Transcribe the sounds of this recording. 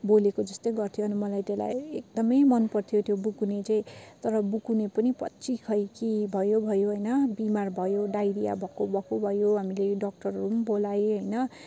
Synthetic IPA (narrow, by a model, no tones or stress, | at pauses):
bolekod͡zʌst̪ojɡʌrt̪ʰijoʌnimʌlajt̪ela̰jḛk̚d̪ʌmʌjmʌnpʌrt̪ʰijot̪ʰjobukunet͡saĩt̪ʌɾʌbukunepʌnipʌ̰tːt͡sikʰʌjkibʱʌjobʱʌjoɦʌjnʌbimarbʱʌjoɖajɾija̰bʱʌkobʱʌkobʱʌjoɦamileɖʌk̚ʈʌrrumbolajɦʌjnʌ